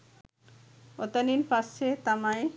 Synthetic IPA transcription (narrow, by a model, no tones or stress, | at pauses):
ot̪aninpast͡ɕʰet̪amae